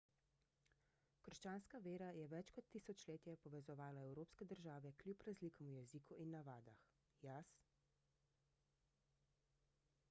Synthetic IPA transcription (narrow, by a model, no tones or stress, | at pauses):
kəɾʃt͡ʃaːnskaʋeːɾajɛʋɛt͡ʃkɔt̪ːiːsɔt͡ʃleːt̪ijɛpɔʋɛzɔʋaːlaɛwɾoːpskɛd̪əɾʒaːʋɛklʲjupɾazlikɔmujɛziːkuʔinːaʋaːd̪ax | jas